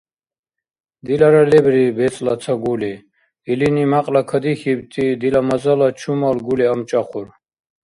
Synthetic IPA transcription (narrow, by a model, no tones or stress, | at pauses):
d̪ilaɾalɛbɾibɛt͡sʼlat͡s̪ʰaɡuli | ilinimaqʼlakʰəd̪ixibt̪ʰʼid̪ilamazalat͡ʃʰumalɡuliamt͡ʃʼaχuɾ